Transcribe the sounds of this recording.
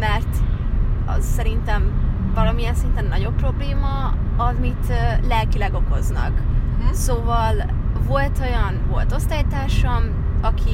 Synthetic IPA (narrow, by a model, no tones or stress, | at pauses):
mɛrt̪ | ɒ̰zsɛɾint̪ɛm | vɒlɒmijɛnsint̪ɛnːɒɟo̞pːro̞bleːmɒ | ɒmit̪ːlɛlkilɛɡo̞ko̞znɒ̰ksoːvɒl | vo̞lt̪ʰo̞jɒnvo̞lt̪o̞st̪aːit̪aːʃɒm | ɒkʰi